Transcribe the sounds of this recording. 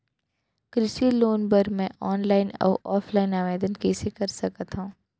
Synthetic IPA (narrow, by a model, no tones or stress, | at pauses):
kɾɪʃiloːnpɐɾmɛ̃ʔɔːnlaːɪnɔ̰ːʔɔːfʰlaːɪnaːʋeːd̪ənkɛːsekɐɾsɐkət̪ɦũː